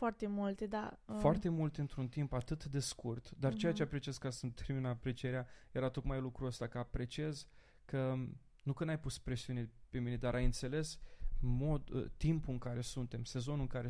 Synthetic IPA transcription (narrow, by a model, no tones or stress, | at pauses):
foart̪e̞mult̪ed̪afoart̪e̞mult̪ɨnt̪ɾunt̪impat̪ɨt̪d̪e̞skurt̪d̪art͡ʃe̞jat͡ʃeapɾe̞t͡ʃie̞zkasəmt̪ʰe̞ɾminəpɾe̞t͡ʃieɾeaje̞ɾat̪o̞kmajlukɾuəst̪akəapɾe̞t͡ʃie̞z | kə | nukɨnajpuspɾesiune̞pe̞mine̞d̪aɾʔajɨnt̪se̞le̞smo̞d̪t̪impuɨŋkaɾe̞sunt̪e̞mse̞zo̞nuɨŋkaɾe